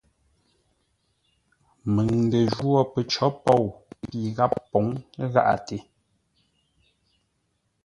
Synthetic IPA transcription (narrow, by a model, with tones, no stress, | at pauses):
mə˨ŋn˨də˨ʒwɔ˦˨pə˨t͡ʃɔ˨˦pɔ˦˨wi˨ɣa˦pːo˨˦ŋɣa̰˦ʔa̰˨te˨˦